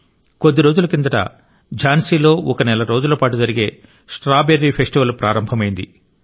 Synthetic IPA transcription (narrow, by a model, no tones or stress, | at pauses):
kod̪ːiɾo̞ːd͡ʒulɐkind̪ɐʈɐ̰ | d͡ʒaːnsiːlo̞ːʔɔkɐnɛlɐɾo̞ːd͡ʒulɐpaːʈud͡ʒɐɾiɡe̞ː | sʈɾaːbeɾːipʰesʈiʋɐlpɾaːɾɐmbʱɐmɐjind̪ḭ